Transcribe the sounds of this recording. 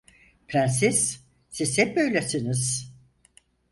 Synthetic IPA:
pʰɾænsiz̥ | sizɛp̚bøjlʲesiniz̥

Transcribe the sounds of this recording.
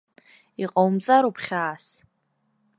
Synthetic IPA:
iqʼowmt͡sʼaɾupʰχʲaːs

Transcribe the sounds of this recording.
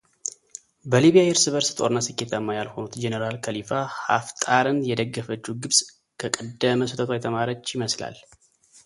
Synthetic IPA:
bəliβjajɪɾsɨβəɾsɨ̥t̪ʼo̞̰ɾɨnːasɨkːe̞t̪əmːajalho̞nut̪d͡ʒenəɾalkʰəlifaha̰ft̪ʼaɾɨnjɛd̪əɡːəfət͡ʃːuɡɨβsʼ | kʰəkʼəd̪əməsət̪ʰət̪ʰwajt̪ʰəmaɾət͡ʃːɪməsla̰l

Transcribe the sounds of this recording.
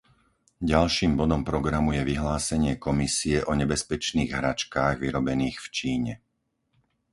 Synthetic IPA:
ɟalʃiːmbɔd̪ɔmpɾɔɡɾamujɛʋiɦlaːsɛɲɪɛkɔmisiɛʔɔɲɛbɛspɛt͡ʃniːɣɦɾat͡ʃkaːɣʋiɾɔbɛniːxft͡ʃiːɲɛ

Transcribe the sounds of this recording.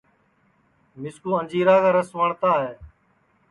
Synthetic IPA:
mɪskuːənd͡ʒiːɾaːkaːɾəsʋəɳt̪aːɦeː

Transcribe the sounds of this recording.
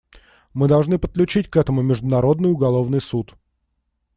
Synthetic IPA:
mɨd̪ɐlˠʐnɨpət̪̚klʲʉt͡ɕitʲkɛt̪əmʊmʲɪʐd̪ʊnɐɾo̞d̪nɨjʊɡɐlˠo̞vnɨjsut̪

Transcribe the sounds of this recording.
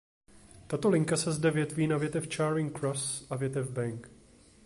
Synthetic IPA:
t̪at̪o̞lɪŋkasɛzdɛvjɛt̪viːnavjɛt̪ɛft͡ʃaːɾɪŋkɾosʔavjɛt̪ɛvbɛŋk

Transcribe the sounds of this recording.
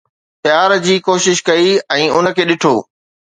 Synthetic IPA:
pjaːɾd͡ʑiːkoːʃɪʃkɐiɛ̃ːʊn̆kʰeːɗɪʈʰoː

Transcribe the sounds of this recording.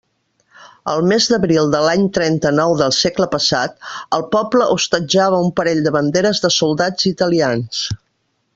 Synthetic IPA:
ə̰lˠmezd̪əβɾilˠd̪əlaɲt̪ɾɛnt̪ənɔwðəlˠsekləpəsa̰t̪əlˠpɔpləʔust̪əd͡ʒaβəumpəɾeʎd̪əβənd̪eɾəzðəsulˠd̪ad͡zit̪əlians

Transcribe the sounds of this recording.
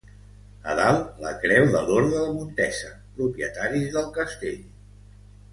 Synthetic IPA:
ə̰ðalˠləkɾɛwðəloɾðəðəmunt̪ɛsə | pɾupiət̪aɾizðəlˠkəst̪eʎ

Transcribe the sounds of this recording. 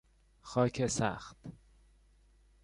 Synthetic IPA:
xɒːcʰesæ̰xt̪

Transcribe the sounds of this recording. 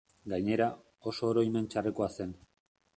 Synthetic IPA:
ɡaɲe̞ɾa | o̞so̞ːɾo̞ime̞nt͡ʃare̞ko̞ase̞n

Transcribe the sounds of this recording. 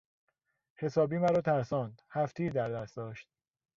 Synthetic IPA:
he̞sɒːbiːmæɾɒːt̪ʰæɾsɒːnd̪hæft̪ʰeiːd̪æɾd̪æst̪d̪ɒːʃt̪̚

